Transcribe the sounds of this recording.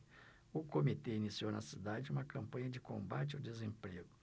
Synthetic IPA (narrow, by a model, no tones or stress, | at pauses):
ʊkomit̪einisiownɐ̰sid̪ad͡ʒɪũmɐkɐ̃mpɐ̃ɲɐd͡ʒɪkõmbat͡ʃɪɐwd̪ezẽmpɾeɡʊ